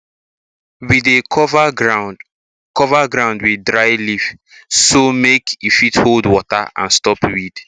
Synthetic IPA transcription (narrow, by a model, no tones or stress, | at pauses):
wideɔva | kɔvaɡɾãʊ̃ndwidɾaɪjlif | somekifitholdwɔta̰ʔã̰nstɔpwid̥